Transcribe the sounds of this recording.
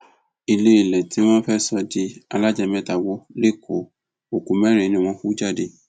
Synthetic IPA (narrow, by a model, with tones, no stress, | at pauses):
i˧le˦i˧˨lɛ˨tʰi˨˦w̃ɔ̃˦fɛ˦sɔ˧di˨˦a˧la˦d͡ʒɛ˧mɛ̃˦ta˨wo˨˦le˦kʰo˨ | o˨ku˨mɛ˦ɾ̃ĩ˨nĩ˧w̃ɔ̃˧˦ku˦d͡ʒa˦˨de˧